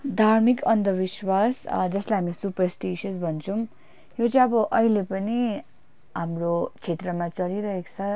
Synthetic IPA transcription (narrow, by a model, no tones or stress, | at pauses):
d̪ʱarmikʌnd̪ʌbiswasd͡zʌslajɦamisupʌrsʈisʌsbʱʌnt͡sʰʌw̃ | jot͡sʌĩʌbʌʔʌɦilepʌni | ɦamrot͡sʰet̪rʌmat͡sʌɾiɾʌɦekt͡sʰʌ